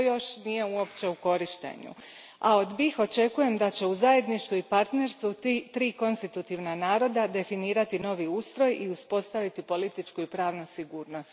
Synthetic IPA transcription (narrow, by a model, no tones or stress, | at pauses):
ojo̞ʃnije̞uo̞pt͡ɕe̞uko̞ɾiʃt̪e̞̰ɲṵ | ao̞d̪bixo̞t͡ʃe̞kuje̞md̪at͡ɕe̞uzaje̞d̪niʃt̪uipaɾt̪ne̞ɾst̪ʋut̪ɾiːko̞nst̪it̪ut̪iʋnanaːɾo̞d̪ad̪e̞finiːɾat̪ino̞ʋiuːst̪ɾo̞jiuspo̞st̪aʋit̪ipo̞lit̪it͡ʃkuipɾaːʋnusiɡuːɾno̞st̪